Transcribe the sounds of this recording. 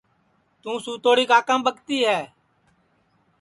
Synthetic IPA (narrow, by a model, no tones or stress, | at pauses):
t̪ũːsuːt̪oːɽiːkaːkə̃mbəkt̪iːɦɛː